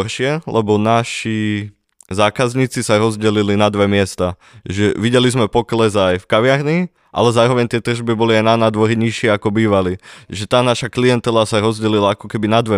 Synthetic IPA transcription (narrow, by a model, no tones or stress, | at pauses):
ɾʃɪɛlʔɛbɔnaʃi | zaːkazɲiːt͡sisaɾɔzɟɛlilinad̪ʋɛmɪɛst̪a | ʒɛʋiɟɛlizmɛpɔklɛzajfkaʋɪaɾɲi | ʔa̰lɛzaːɾɔʋɛɲt̪ɪɛt̪r̩ʒbibɔliajnanaːd̪ʋɔɾiɲiʃɪɛakɔbiːʋaliʒɛt̪aːnaʃaklijɛnt̪ɛlasaɾɔzɟɛlilaakɔkɛbinad̪ʋɛ